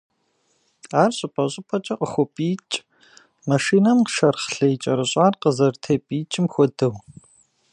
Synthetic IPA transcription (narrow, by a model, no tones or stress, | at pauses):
aːrɕʼɪpʰʼɐɕʼɪpʰɐt͡ʃʼɐqʼəxʷɔpʼiːt͡ʃʼ | mɐʃiːnɐmqʃɐrχɬɐjt͡ʃʼɐɾɨɕʼaːrqəzɐrtʰeːpʼiːt͡ʃʼɪmxʷɔdɨw